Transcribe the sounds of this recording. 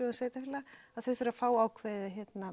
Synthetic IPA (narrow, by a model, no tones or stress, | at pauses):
ɔansveːjt̪afɪlaaðθœɥθʏɾafaːwaːwkʰvɛːðɪçjɛt̪na